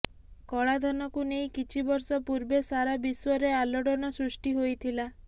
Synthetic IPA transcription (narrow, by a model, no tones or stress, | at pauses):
kɔɭad̪ʱɔnɔkunejkit͡ʃʰibɔɾsɔpuɾbesaɾabiswɔɾealɔɽɔnɔsɾusʈiɦojt̪ʰila